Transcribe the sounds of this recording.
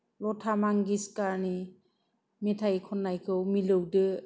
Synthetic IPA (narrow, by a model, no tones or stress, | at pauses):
lɔtʰamaŋɡiskaɾni | metʰajkʰɔnːajkʰɯwmilɯwdɯ